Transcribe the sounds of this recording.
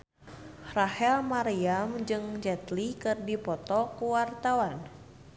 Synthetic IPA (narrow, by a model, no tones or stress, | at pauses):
rahɛlmaɾiamd͡ʒɨŋd͡ʒɛt̪likɨrdipɔt̪ɔkuwart̪awan